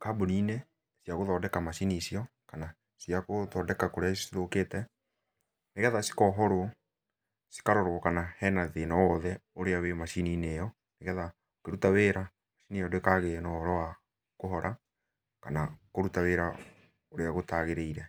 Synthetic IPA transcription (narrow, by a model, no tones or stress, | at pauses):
kaːboniːne | sjaɣoðɔːdɛkamaʃinisiɔkana | siakoðɔːdɛkakoɾeasiðokeːtɛ | neɣɛðasi̥kɔːɦɔɾwɔ | si̥kaɾɔɾwɔkanahɛnaðenɔwɔðɛoɾeawemaʃiniːnejɔ | neɣɛða | okeɾutaweɾa | maʃinijɔdwekaɣenɔɔɾɔwa | koɦɔɾʔa | kanakoɾutaweːɾa | oɾeaɣotaɣeɾeiɾɛ